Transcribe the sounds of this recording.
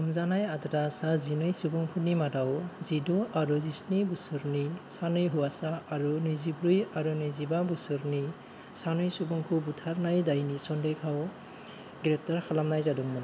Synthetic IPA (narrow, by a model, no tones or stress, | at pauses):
ɔmzanajadɾasazinɯjsubuŋpʰunimadawzidɔaɾuzisnibusuɾnisanɯjɦuasaːɾunɯzibɾujaɾunɯzibabusɯɾni | sanɯjsubuŋpʰubutʰaɾnajdajnisɔndɔjkʰaw | ɡɾɛp̚taɹkʰalamnajzadɔŋmana